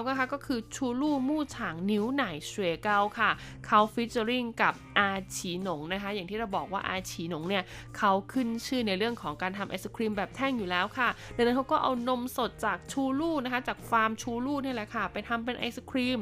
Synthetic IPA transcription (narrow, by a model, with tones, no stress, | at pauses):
wka˥˩kʰa˦˥kɔː˥˩kʰɯː˧t͡ɕʰuː˧luː˥˩muː˥˩t͡ɕʰaː˩˦ŋni˦˥wna˨˩˦jsu˧eː˧ka˥˩wkʰa˥˩ | kʰa˦˥wfi˦˥t̪̚t͡ɕa˧ɾi˥˩ŋka˨˩p̚ʔaː˧t͡ɕʰiː˩˦no˩˦ŋna˦˥kʰa˦˥ja˨˩ŋt̪iː˥˩ɾa˧wbɔː˨˩k̚waː˥˩ʔa̰ː˧t͡ɕʰiː˩˦no˩˦ŋni˥˩ə | kʰa˦˥wkʰɯ˥˩nt͡ɕʰɯː˥˩na˧jɾɯ˥˩əŋkʰɔː˩˦ŋkaː˧nt̪ʰa˧mʔa˧jsa˧kʰɾiː˧mbɛː˨˩p̚t̪ʰɛ˥˩ŋjuː˨˩lɛː˦˥wkʰa˥˩da˧ŋna˦˥nkʰa˦˥kɔː˥˩ʔa̰˧wno˧mso˨˩t̪̚t͡ɕaː˨˩k̚t͡ɕʰuː˧luː˥˩na˦˥kʰa˦˥t͡ɕaː˨˩k̚faː˧mt͡ɕʰuː˧luː˥˩ni˥˩ɐlɛ˨˩kʰa˥˩pa˧jt̪ʰa˧mp̬e˧nʔa̰˧jsa˧kʰɾiː˧m